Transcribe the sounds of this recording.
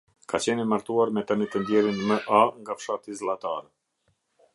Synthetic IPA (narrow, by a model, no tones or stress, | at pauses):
kat͡ɕɛnimaɾt̪uaɾmɛt̪əmit̪ɛnd̪jɛɾinməʔaŋɡafʃat̪izlˠat̪aɾɛ